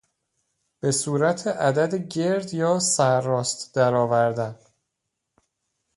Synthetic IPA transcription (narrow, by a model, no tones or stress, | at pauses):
b̥e̞suːɾæt̪ʰeʔæd̪æd̪eɟe̞ɾd̪jɒːsæɾːɒːst̪d̪̥æɾɒːvæɾd̪æn